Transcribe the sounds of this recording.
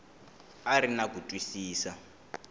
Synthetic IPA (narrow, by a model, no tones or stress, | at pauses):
aɾinakutʼwisiːsa